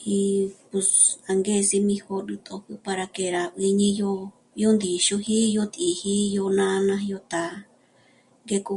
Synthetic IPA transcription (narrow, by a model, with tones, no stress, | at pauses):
hi˧pu˧sa˨˧ŋɡe˦˨si˧mĩ˧ho˧ɾɨ˧t̪ʰʼo˧hɨ˧pa˧ɾa˧ke˧ɾa˨ʔi˧ɲĩ˧jo˧ | jo˦nd̪i˨ʃo˧ɦi˦jo˧t̪i˨hi˦jo˧nã˦˧nã˧ɦjo˧t̪a˨ | ŋɡe˧ku˧